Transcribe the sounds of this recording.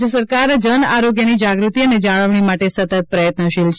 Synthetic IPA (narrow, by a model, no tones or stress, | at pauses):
əsəɾkaɾd͡ʒənaɾoɡjənid͡ʒaɡɾut̪iəned͡ʒaɭəʋɳ̃imaʈesət̪ət̪̚pɾəjət̪nəʃilt͡ʃ